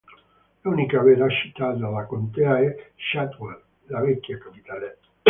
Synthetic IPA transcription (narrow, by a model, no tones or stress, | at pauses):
lunikavɛɾaʃi̥t̪at̪alakont̪ɛaɛʃat̪wɛr | lavɛkːjakapit̪aːle